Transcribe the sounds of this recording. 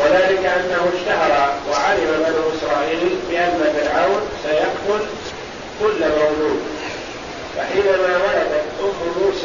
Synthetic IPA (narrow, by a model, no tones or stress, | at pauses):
waðaːlɪkaʔanːahʊʃt̪aɦɑɾˤɑwaʕaɾɪmabanʊːʔɪsɾˤɑːʔiːlbɪʔanːafɪlʕawnsajakt̪ʊl | kʊlːamawluːd̪ | faħiːnamaːwɑɾɑd̪at̪ʔʊmːʊruːs